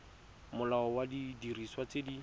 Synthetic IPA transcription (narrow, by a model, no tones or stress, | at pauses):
mʊlaɔwadidiriswat͡sedi